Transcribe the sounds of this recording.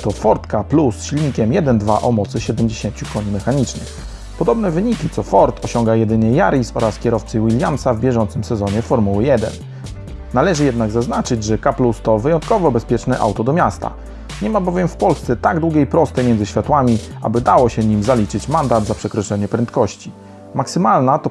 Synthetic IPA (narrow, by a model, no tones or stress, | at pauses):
t̪ɔfɔɾt̪kaplusɕilʲɲikʲɛmjɛd̪ɛnd̪vaʔɔmɔt̪sɘɕɛd̪ɛmʲd͡ʑeɕeɲt͡ɕukɔɲimɛxaɲit͡ʂnɘ̰ | pɔd̪ɔbnɛvɘɲikʲit̪sɔfɔɾt̪ʰɔɕɔŋɡajɛd̪ɘɲɛjaɾisɔɾaskʲɛɾɔft̪sɘwilʲjamsavbʲjɛʐɔnt̪sɘmsɛzɔɲɛfɔɾmuwɘjɛd̪ɛ̰n | nalɛʐɘjɛd̪naɡzaznat͡ʂɘd͡ʑʐɛkaplust̪ɔvɘjɔnt̪kɔvɔbɛspʲjɛt͡ʂnɛʔa̰wt̪ɔd̪ɔmʲjast̪a̰ | ɲɛmabɔvʲjɛmfpɔlst̪sɛt̪aɡd̪wuɡʲejpɾɔst̪ɛjmʲɛnzɘɕfʲjat̪wamʲia̰bɘd̪awɔɕɛɲimzalʲit͡ʂɘt͡ɕmand̪ad̪zapʂɛkɾɔt͡ʂɛɲɛpɾɛnt̪kɔɕt͡ɕi | maksɘmalnat̪ɔ